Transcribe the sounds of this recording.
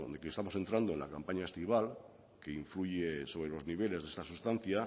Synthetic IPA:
d̪ekest̪amose̞nt̪ɾand̪oenla̰kampaɲaest̪iβ̞al | ke̞iɱfluʝeso̞βɾelo̞zniβ̞e̞le̞zðe̞st̪asust̪an̟θja

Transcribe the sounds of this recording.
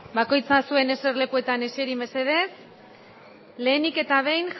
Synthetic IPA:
bako̞jt͡sasue̞ne̞se̞rle̞kue̞t̪ane̞seɾimbe̞se̞ð̞e̞s | le̞ːnike̞t̪aβ̞e̞jnx

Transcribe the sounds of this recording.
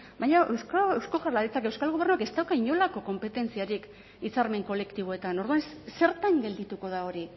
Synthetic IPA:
bajɲaʔewskewsko̞ɣaɾlaɾit͡sake̞wskalɣ̞oβrnuake̞st̪awkaiɲo̞lako̞ko̞mpe̞t̪e̞nt͡siaɾik | it͡saɾme̞ŋko̞le̞kt̪iβo̞e̞t̪ano̞ɾðuansse̞ɾt̪aŋɡe̞ld̪it̪uko̞ð̞ao̞ɾi

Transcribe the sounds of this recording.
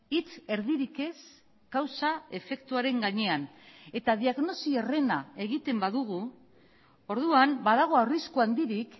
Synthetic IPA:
it͡se̞ɾðiɾike̞s | ɡ̥awsae̞fe̞kt̪uaɾe̞ŋɡaɲe̞ane̞t̪aðiaɣno̞siere̞nae̞ɣit̪e̞mbaðuɣ̞u | o̞ɾðuambaðaɣ̞o̞awriskuand̪iɾik

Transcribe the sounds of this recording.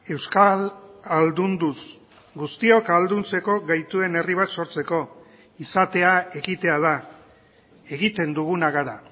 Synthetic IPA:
e̞wskalald̪und̪us | ɡust̪io̞kald̪unt͡se̞ko̞ɣajt̪ue̞ne̞riβat̪so̞ɾt͡se̞ko̞ | isat̪e̞ae̞ɣit̪e̞að̞a | e̞ɣit̪e̞nd̪uɣ̞unaɣaɾa

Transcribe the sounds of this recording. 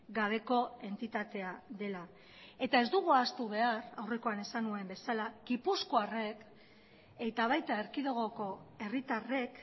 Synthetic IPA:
ɡaβ̞e̞ko̞e̞nt̪it̪at̪e̞aðe̞la | e̞t̪ae̞zd̪uɣ̞uast̪uβe̞aɾawre̞ko̞ane̞sanue̞mbe̞salaɡipuskoare̞k | e̞t̪aβ̞ajt̪ae̞ɾkiðo̞ɣ̞o̞ko̞e̞rit̪are̞k

